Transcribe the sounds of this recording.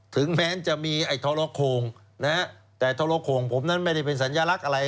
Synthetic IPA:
t̪ʰɯ˩˦ŋmɛː˦˥nt͡ɕa˨˩ʔmiː˧ʔa˧˩jt̪ʰoː˧loː˧kʰoː˧ŋ | na˦˥ | t̪ɛ˧˩ʔa˧˩jt̪ʰoː˧loː˧kʰoː˧ŋpʰo˩˦mna˦˥nma˥˩jda˥˩jpe˧ns̬a˩˦njaː˧la˦˥k̚ʔa˧ɾa˧j

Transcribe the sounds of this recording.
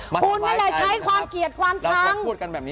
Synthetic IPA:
kʰu˧nːaː˧˥nlɛː˨˩t͡ɕʰa˦˥jkʰwaː˧mki˨˩ət̪̚kʰwaː˧mt͡ɕaː˦˧˥ŋu˧˩t̚ka˧nbɛː˨˩p̚nː˦

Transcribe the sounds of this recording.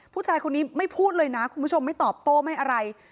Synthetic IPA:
pʰuː˥˩t͡ɕʰaː˧jkʰo˧nːiː˦˥ma˥˩jpʰuː˥˩t̪̚lɤː˧jna˦˥kʰu˧nmʰu˦˥t͡ɕʰo˧mːa˥˩jt̪ɔː˨˩p̚t̪oː˥˩ma˥˩jʔa˧ɾa˧j

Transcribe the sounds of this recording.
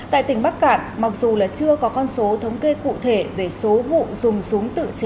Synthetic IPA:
a̰ː˧˨jt̪ï˧˩ŋ̟ɓa˦˥k̚ka̰ː˧˨nma˨˩k̚zu˨˩laː˨˩t͡ɕɨ˧əkɔ˨˦kɔ˧nso˨˦t̪ʰə˨˦wŋ͡mke˧kṵ˧˨t̪ʰe˧˩ve˨˩so˨˦vṵ˧˨zʊ˨˩ŋ͡msʊ˨˦ŋ͡mt̪ɨ̰˧˨t͡ɕe˨˦

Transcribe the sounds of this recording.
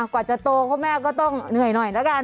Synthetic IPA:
kwaː˨˩t͡ɕa˨˩t̪oː˧kʰɔː˧˥˩mɛː˥˩˨k̬ɔː˥˩t̪ɔ˥˩ŋnɯ˨˩əjnɔ˨˩jna˧˥ka˧n

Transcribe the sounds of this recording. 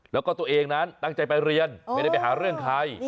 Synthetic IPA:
lɛː˦˥kɔː˥˩t̪u˧˩əʔeː˧ŋna˦˥nt̪a˥˩ŋt͡ɕa˧jpa˧jɾi˧ənmma˥˩da˥˩jpa˧˩jɦaː˩˦ɾɯ˥˩əŋkʰaː˦˥˩j

